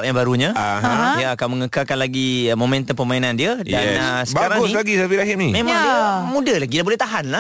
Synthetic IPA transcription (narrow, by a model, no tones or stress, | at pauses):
p̚jaŋbaɾuɲãaɦdiaakawməŋəkakanlaɡimomɛ̃nt̪ənpəmainandiadanəsəbaaɾaŋɡʊslaɡisafiɾaɦɪm̚nimẽmãŋdimũdalaɡidabolɛht̪aɦanla